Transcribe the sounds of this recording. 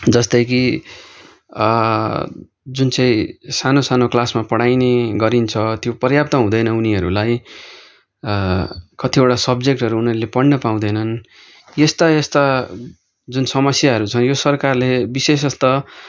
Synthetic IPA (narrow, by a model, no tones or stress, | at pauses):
d͡zʌst̪ʌjk̬i | d͡zunt͡sãĩsanosanoklasmapʌɽajneɡʌɾint͡sʰʌt̪jopʌrjap̚t̪ʌɦũd̪ʌjnʌuniʌɾulaj | kʌt̪ʰioʈasʌbd͡zek̚ʈɦʌɾuːnʌɾulepʌɽnʌpaw̃d̪ʌjnʌn | jest̪ʌest̪a | d͡zunsʌmʌsjaɦʌɾut͡sʰʌnjosʌrkarlebises̬ʌst̪ʌ